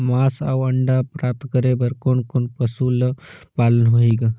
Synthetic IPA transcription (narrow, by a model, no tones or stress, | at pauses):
maːsa̰wɐɳɖapɾaːp̚t̪ʰkəɾebəɾkoːnkoːnpəsuləpaːlənɦoiːɡa